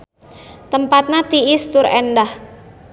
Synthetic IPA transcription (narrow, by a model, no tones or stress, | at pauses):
t̪əmpat̪̚nat̪iɪst̪ʊɾɛndah